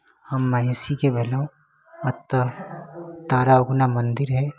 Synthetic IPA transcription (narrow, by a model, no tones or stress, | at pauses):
hɐmːɐɦisikebʱelõ | ɐt̪ː | t̪aːɾaʊɡnamɐ̃nd̪ɪɾɦɛː